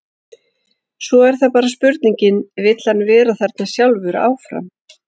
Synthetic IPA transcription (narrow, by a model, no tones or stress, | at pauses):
svɔɛɾ̥θapaːɾaspʏɾt̪niɲcɪnvɪt̪l̥hanːvɛːɾaθɛɾt̪nasjawlvʏɾa̰ːwfɾa̰m